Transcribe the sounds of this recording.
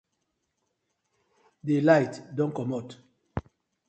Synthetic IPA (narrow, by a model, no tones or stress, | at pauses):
delajtdɔ̃nkɔmɔt